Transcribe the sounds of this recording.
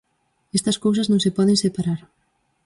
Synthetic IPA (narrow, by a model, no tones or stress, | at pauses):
est̪ɐskows̬ɐznõŋsepɔð̞eŋsepaɾaɾ